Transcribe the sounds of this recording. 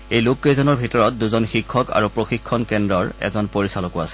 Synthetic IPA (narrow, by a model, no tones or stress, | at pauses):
ejlukːezɔnɔɹbʱitɔɹɔt̚duzɔnxikʰːɔka̰ɹupɹoxikʰːɔnkɛndɹɔɹɛ̰zɔnpoɹisalɔkuasɛ̥